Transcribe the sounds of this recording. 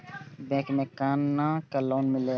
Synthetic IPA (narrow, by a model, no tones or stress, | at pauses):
bɛ̃ːkmẽkanːakaloːnmile